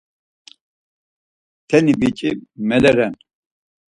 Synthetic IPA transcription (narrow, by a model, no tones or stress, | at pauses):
t̪ʰɛnibit͡ʃʼimɛlɛɾɛn